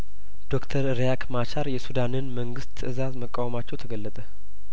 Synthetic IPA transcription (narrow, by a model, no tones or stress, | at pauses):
d̪̥o̞kt̪ʰəɾɨɾjakʰmat͡ʃaɾjɛsud̪anɨnməŋɡɨst̪ʰɨzazməkʼːawmat͡ʃːɛwt̪ʰəɡəlːət̪ʼə